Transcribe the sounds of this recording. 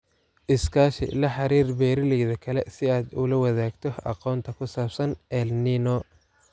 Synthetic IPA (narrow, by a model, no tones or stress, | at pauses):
ʔɪskʰaːʃɪ̰lɐħɑɾiːrbɛːɾɪlɛjðɐkʰɐlɛsɪaːd̪ʊlɐwɐðaːɡt̪ʰɔɑ̰qɔːnt̪ʰɐkʰʊsaːbsɐnɛlninɔ